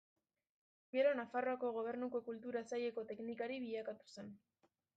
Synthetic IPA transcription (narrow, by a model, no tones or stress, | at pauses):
ɡe̞ɾo̞nafaro̞ako̞ɣ̞o̞β̞e̞ɾnuko̞kult̪uɾasaje̞ko̞t̪e̞knikaɾiβiʎakat̪u̥se̞n